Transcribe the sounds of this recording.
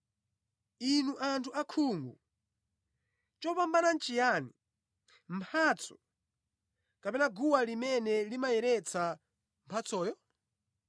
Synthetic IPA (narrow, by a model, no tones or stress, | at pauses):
inuʔantʰuakʰuːŋɡu | t͡ʃɔpambanan̩t͡ʃijani | m̩pʰat͡sʰɔ̥ | kapɛnaɡuwalimɛnɛlimajɛɾɛt͡sʰa | mpʰat͡sʰɔːjɔ